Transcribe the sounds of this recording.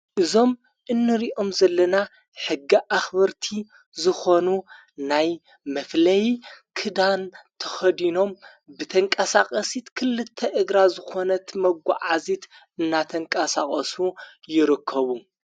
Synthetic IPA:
ʔɨzo̞m | ʔɨnːɨɾiʔo̞mzɐlːɐna | ħɨɡːiʔaxbɐɾt̪ʰi | zɨxo̞nu | naj | mɐflɐjkʰɨd̪ant̪ʰɐ̥xɐd̪ino̞m | bɨt̪ʰɐŋkʼɐsaχʼɐsit̪kʰɨlɨt̪ʰːɐʔɨɡɾazɨxo̞nɐt̪mɐɡʷa̰ʕazit̪ | ɨnːat̪ʰɐŋkʼɐsakʼɐsujɪɾɨkʰːɐβu

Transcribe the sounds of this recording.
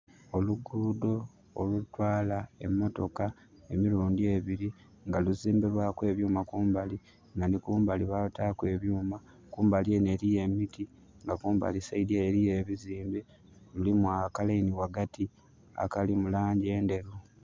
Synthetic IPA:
o̞luɡudo̞ː | lutwaːlae̞̰mːo̞to̞ka | e̞miɾuːndie̞βiɾi | ŋɡaluziːmbiɾwakwe̞βjuːmakuːmbali | nanikuːmbaliβatakwe̞βjuːma | kuːmbaliene̞ːɾije̞mitʰi | ŋɡakuːmba̰lisaidieːɾijeβiziːmbi | lulimwakalainiwaɡati | a̰kalimulaːɲɟie̞ːnde̞ɾu

